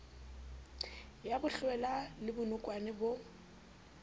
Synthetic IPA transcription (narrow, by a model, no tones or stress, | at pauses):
jabʊɬwɛlalɪbʊnʊkʼwanɪbo